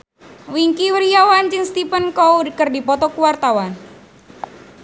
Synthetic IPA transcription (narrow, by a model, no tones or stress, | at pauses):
wiŋkiwəɾiawant͡ʃɪŋst̪ipənkɔudəkərdipɔt̪ɔkuwart̪awan